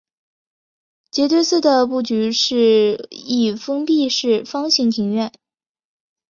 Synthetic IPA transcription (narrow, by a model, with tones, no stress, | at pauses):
t͡ɕjɛ˧˥t̪we˥˧ɪsɹ̩˥˩d̪ə˩pu˥˩t͡ɕy˧˥ʂɻ̩˥˧i˥˩fɤ˥ŋpi˥˧ʂɻ̩˥˩fɑ˥ŋɕi˧˥ŋt̪ʰi˧˥ŋɥɛ˥˩n